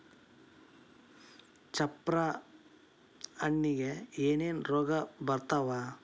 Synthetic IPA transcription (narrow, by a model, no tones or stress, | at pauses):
t͡ʃɐpɾa | ɐɳːiɡeeːneːnɾoːɡɐbɐɾt̪aʋaː